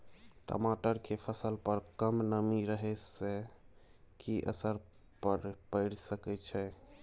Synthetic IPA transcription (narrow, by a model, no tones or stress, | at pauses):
ʈə̰maʈəɾkʰepʰəsəlpəɾkəmnəmiɾəɦɛse | kiʔə̰səɾ | pəɾpəɪɽsəkɛt͡ʃʰɛ